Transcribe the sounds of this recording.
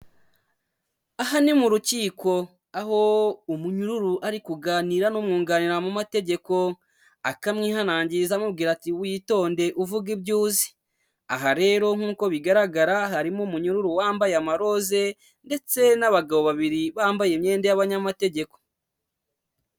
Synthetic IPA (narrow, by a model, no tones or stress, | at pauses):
aɦanimuɾuciːko̞ | aɦo̞umuɲuɾuɾuʔaɾikuɡaniːɾanumŋuːŋɡaniɾamumate̞ɟe̞ko̞ | akamŋiːɦanaːɲɟizamub̚ɡiːɾatiwiːto̞ːnde̞ʔuvuɡibɟuːzi̥ | a̰ɦaɾe̞ːɾo̞ŋ̥huːko̞βiɡaɾaɡaɾaɦaɾimumuɲuɾuɾuwaːmbajeamaɾo̞ze̞ | nde̞t͡se̞naβaɡaβo̞βaβiɾiβaːmbajemɲe̞ːndejaβaɲamate̞ɟe̞ko̥